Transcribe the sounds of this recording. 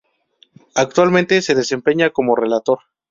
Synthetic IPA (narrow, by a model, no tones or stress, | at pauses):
ak̚t̪walmẽ̞nt̪e̞se̞ðe̞se̞mpe̞ɲako̞mo̞re̞lat̪o̞ɾ